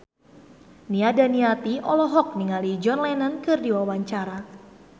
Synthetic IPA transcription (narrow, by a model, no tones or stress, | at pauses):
niadaniat̪iʔɔlɔɦɔk̚niŋalid͡ʒɔnlɛnənkɨrdiwawaɲt͡ʃaɾa